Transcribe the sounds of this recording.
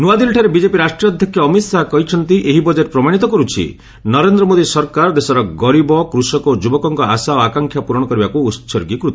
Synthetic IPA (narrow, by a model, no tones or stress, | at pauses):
nuad̪ilʈʰaɾebid͡ʒepiɾasʈɾiɔd̪ʱjɔkʰjɔːmit̪saɦkɔɦit͡ʃʰɔnt̪iʔeɦibɔd͡ʒeʈpɾɔmaɽ̃it̪ɔkɔɾut͡ʃʰḭ | nɔɾend̪ɾɔmod̪isɔɾkaɾd̪esɔɾɔɡɔɾibɔkɾusɔkod͡ʒubɔkɔŋkɔasaoakaŋkʰjapuɾɔɽ̃ɔkɔɾibakuːsɔɾɡikɾut̪